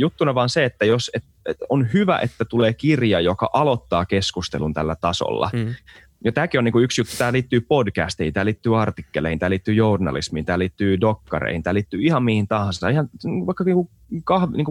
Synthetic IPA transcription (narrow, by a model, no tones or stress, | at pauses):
jut̪ːunɑʋɑːnseet̪ːæjoset̪ | onhyʋæ̰ʔet̪ːæt̪uleːkirjɑjokɑ̰ʔɑlot̪ːɑːkeskust̪ḛlunt̪ælːæt̪ɑso̰lːɑ̰ | jɑt̪æːkioniːkuyksjut̪ːu̥t̪æːliːt̪ːyːpodkæ̰st̪ihint̪æːliːt̪ːyːɑrt̪ikːelːˑḛːhint̪æːliːt̪ːyːjournɑ̰lḭsmiːnt̪æːliːt̪ːyːdokːɑrḛhint̪æːliːt̪ːyːihɑmmihint̪ɑhɑnsɑihɑniʋɑikːɑiːŋku | kɑhʋniːŋku